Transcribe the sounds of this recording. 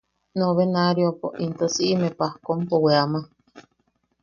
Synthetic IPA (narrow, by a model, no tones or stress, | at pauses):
noβenaɾiopoʔint̪osiʔːmepahkompoweama